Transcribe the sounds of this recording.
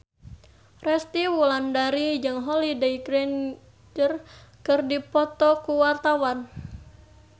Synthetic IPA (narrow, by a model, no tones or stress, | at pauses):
rɛst̪iwulandaɾid͡ʒɨŋɦɔlidaiɡɾɛn | d͡ʒərkɨrdipɔt̪ɔkuwart̪awan